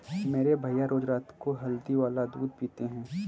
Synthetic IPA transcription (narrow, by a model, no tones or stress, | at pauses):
meːɾebʱɐjaɾoːd͡ʒɾaːt̪koɦɐld̪iʋaːlad̪uːd̪̚piːt̪eɦɛ̃ː